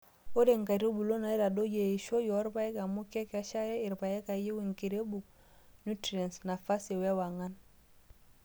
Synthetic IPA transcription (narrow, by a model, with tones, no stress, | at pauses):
o˦de˨ŋka˨ɾo˦bu˨lo˦na˨i˦ɾa˨do˦je˨i˨ʃo˦jo˨˦ɾpa˦je˦ka˨mu˦ke˦ka˦ʃa˦ɾe˦i˨ɾpa˨je˦ka˨ji˦wi˨ŋki˨ɾe˦bu˨ | nu˦tɾe˨nsna˨fa˦se˨we˦wa˨ŋa˦n